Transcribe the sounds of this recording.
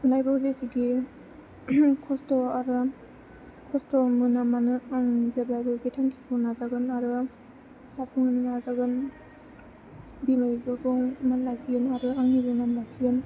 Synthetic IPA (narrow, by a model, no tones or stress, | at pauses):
lajbawzesiɡi | kʰɔstɔaɾɯ | kʰɔstɔmɯnamanɯaŋzabajbɯɡitʰaŋkʰibʰɯnazaɡɯnaɾɯ | sapʰuŋanɯnazaɡɯn | bimajibɯɡɯwmanlajkʰijɯnaɾɯaŋiɾɯnamakʰijɯn